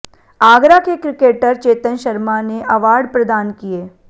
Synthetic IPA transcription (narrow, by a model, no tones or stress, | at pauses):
aːɡɾakekɾɪkeːʈəɾt͡ʃeːt̪ənʃɐɾmaneʔɐʋaːɾɖpɾɐd̪aːnkieː